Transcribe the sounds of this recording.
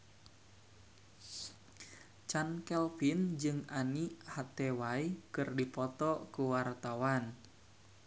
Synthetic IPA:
t͡ʃankɛlfind͡ʒɨŋanihat̪ɛwaikɨrdipɔt̪ɔkuwart̪awan

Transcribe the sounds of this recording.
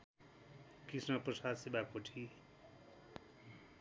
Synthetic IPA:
kisnʌprʌsadsibakoʈʰi

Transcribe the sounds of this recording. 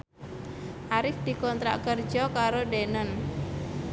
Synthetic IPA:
ʔaɾɪfd̪̥i̤kɔnt̪ɾaʔkər̥d͡ʒɔkaɾoɖenən

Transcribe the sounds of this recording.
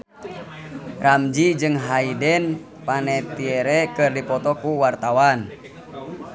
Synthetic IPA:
ramd͡ʒid͡ʒɨŋɦaidɛn | panɛt̪iɛɾɛkɨrdipɔt̪ɔkuwart̪awan

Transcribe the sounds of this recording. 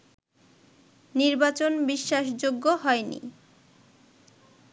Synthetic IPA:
niɾbat͡ɕonbiʃːaʃd͡ʑoɡːoɦɔenḭ

